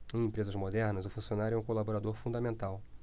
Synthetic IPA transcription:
ẽj̃ẽpɾezɐzmod̪ɛɾnɐzʊfũsionaɾjʊɛũkolaboɾad̪oɾfũnd̪amẽnt̪aw

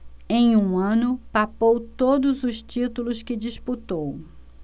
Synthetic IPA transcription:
ẽj̃ũɐ̃nʊpapowt̪od̪ʊzʊʃt͡ʃit̪ulʊskɪd͡ʒisput̪ow

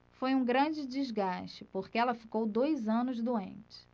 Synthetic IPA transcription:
fojũɡɾɐ̃d͡ʒɪd͡ʒizɡaʃt͡ʃɪpoɾkɪɛlɐfi̥kowd̪ojzɐ̃nʊzd̪uḛ̃nt͡ʃɪ̥

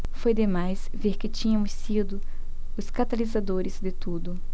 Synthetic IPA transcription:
fojd̪emajs | veɾkɪt͡ʃĩɲɐmʊsid̪ʊ | ʊskat̪alizad̪oɾɪzd̪ɪt̪ud̪ʊ

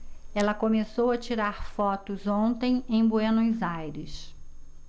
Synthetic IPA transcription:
ɛlɐkomesowɐt͡ʃiɾaɾfɔt̪ʊzõnt̪ẽj̃ẽj̃boenojzajɾɪs

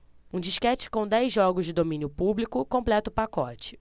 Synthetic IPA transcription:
ũd͡ʒiʃkɛt͡ʃɪ̥kõw̃d̪ɛjzːɔɡʊzd͡ʒɪd̪omĩnjʊpublikʊkõmplɛt̪ʊʊpakɔt͡ʃɪ̥

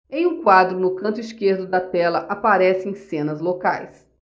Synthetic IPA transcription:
ẽj̃ũkwad̪ɾʊnʊkɐ̃nt̪ʊiskeɾd̪ʊd̪ɐt̪ɛlɐʔapaɾɛsɪẽj̃sẽnɐzlokajs

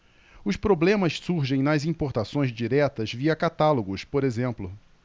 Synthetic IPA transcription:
ʊspɾoblẽmɐssuɾʒẽj̃nɐzĩpoɾt̪asõj̃zd͡ʒiɾɛt̪ɐzviɐkat̪aloɡʊspoɾezẽmplʊ

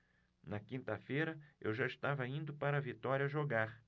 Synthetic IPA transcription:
nɐkĩnt̪ɐfejɾɐḛwʒaist̪avɐĩnd̪ʊpaɾɐvit̪ɔɾjɐʒoɡaɾ

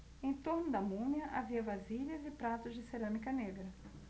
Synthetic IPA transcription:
ẽt̪oɾnʊd̪ɐmũnjɐʔaviɐvaziʎɐzɪpɾat̪ʊzd͡ʒɪseɾɐ̃mikɐneɡɾɐ

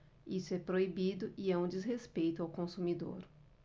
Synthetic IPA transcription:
isʊɛpɾoibid̪ʊʔiɛũd͡ʒizɦespejt̪ʊawkõsũmid̪o̰ɾ

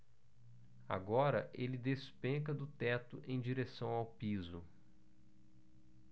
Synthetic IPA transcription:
a̰ɡɔɾɐʔelɪd̪espẽkɐd̪ʊt̪ɛt̪ʊʔẽj̃d͡ʒiɾesɐ̃w̃awpizʊ̰

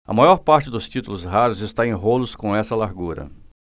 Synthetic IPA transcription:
ɐ̰majɔɾpaɾt͡ʃɪd̪ʊst͡ʃit̪ulʊzɦaɾʊzɪst̪aẽj̃ɦolʊskõɛsɐlaɾɡuɾɐ̰

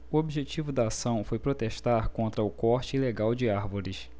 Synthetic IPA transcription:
ʊobiʒet͡ʃivʊd̪ɐːsɐ̃w̃fojpɾot̪eʃt̪aɾkõnt̪ɾɐʊkɔɾt͡ʃɪileɡawd͡ʒɪaɾvoɾɪs

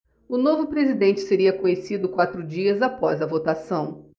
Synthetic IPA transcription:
ʊnovʊpɾezid̪ẽnt͡ʃɪ̥seɾiɐkõɲesid̪ʊkwat̪ɾʊd͡ʒiɐzapɔzɐvot̪asɐ̃w̃

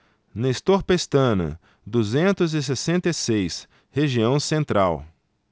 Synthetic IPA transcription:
nest̪oɾpest̪ɐ̃nɐ̰ | d̪uzẽnt̪ʊzɪs̬esẽnt̪esejs | heʒiɐ̃w̃sẽnt̪ɾʔa̰w

